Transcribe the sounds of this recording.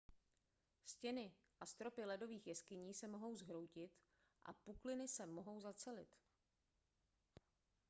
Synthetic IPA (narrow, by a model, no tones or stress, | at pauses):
scɛnɪ | ʔast̪ɾo̞pɪlɛdo̞viːxjɛskɪɲiːsɛmo̞ɦo̞wzɦɾo̞wcɪt̪ | ʔa̰puklɪnɪsɛmo̞ɦo̞wzat͡sɛlɪ̰t̪